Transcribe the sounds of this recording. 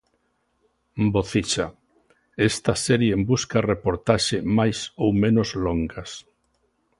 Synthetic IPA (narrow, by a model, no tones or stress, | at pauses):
boθit͡ʃa | est̪ɐsɛɾjeembuskarepoɾt̪aʃemajsowmẽnozloŋɡas